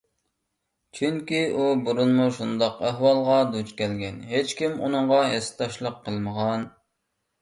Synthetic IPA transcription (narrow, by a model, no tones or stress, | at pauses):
t͡ʃʰyŋkʲiʔubuɾunmuʃund̪ɑqæɦwɑlˠʁɑd̪ut͡ʃkʲɛlɡʲɛnɦet͡ʃkʲimṵnɨɴʁɑɦest̪ʰɑʃlˠəqʰːəlˠməʁɑn